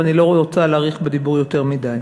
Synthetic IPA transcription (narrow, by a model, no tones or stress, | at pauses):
anilo̞ot͡salaʁiχbed̪ibuʁjo̞te̞ʁmid̪aj